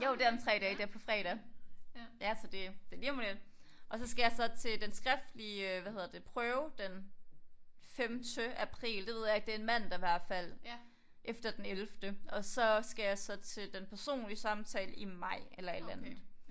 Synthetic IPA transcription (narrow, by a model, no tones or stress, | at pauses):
joʊd̥eɐent͡sʰʁɛ̰ːd̥ɛːd̥eɐpʰɒ̽fʁɛ̰ːɾ̥ɛ | jæsɒ̽d̥e̝d̥e̝limonelʔɒ̽sɒ̽sɡ̥æjɑ̈ɪsɒ̽t͡sʰe̝ld̥ensɡ̥ʁɛfd̥liʋæhe̝ðˠɐdd̥e̝pʰʁœːʊd̥en | femd̥əʔæpʰʁḭːld̥e̝ʋe̝ð̰ˠjɑɪɡ̥̚d̥e̝ɐenmæn̰d̥ɑ̈ʋæɐ̰̥fæl̰ | ʔefd̥ɐd̥enelfd̥əɒ̽sɒ̽sɡ̥æjɑ̈ɪsɒ̽t͡sʰe̝ld̥enpʰæɐso̝̰ːnliəsɑ̈mt͡sʰɛ̰ːləimɑ̈ɪ̰elɐe̝d̥ænðð̩ˠ